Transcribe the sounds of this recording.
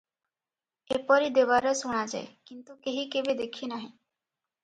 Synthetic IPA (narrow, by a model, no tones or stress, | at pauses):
epɔɾid̪eʋaɾɔsuɽ̃ad͡ʒa̰ekint̪ukeɦikebed̪ekʰinaɦĩ